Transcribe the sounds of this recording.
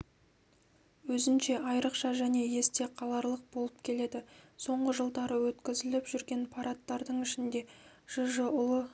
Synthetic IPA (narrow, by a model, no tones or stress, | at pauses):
wɵzɪnʃe̞ʔɑjɾəqʃɑʒæne̞je̞st̪e̞qʰɑlˠɑɾlˠəq̚bo̞lˠəp̚kʲʰe̞le̞d̪ɪso̞ɴʁəʒəlˠd̪ɑɾəwɵt̪kʲɪzɪlɪpʒ̥ʏɾɡʲe̞npʰɑɾɑt̪ːɑɾd̪əɴɪʃɪnd̪e̞ʒ̥əʒəʊlˠə